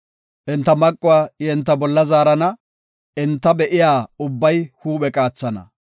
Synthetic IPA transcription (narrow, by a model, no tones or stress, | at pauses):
ʔɛnt̪ːɐmɐkʼːʊwaːjɛnt̪ːɐbɔlːɐzaːɾɐnɐ | ɪnt̪ːɐbɛʔɪjaːʊbːɐjhuːɓɛkʼaːt͡sːɐnɐ̰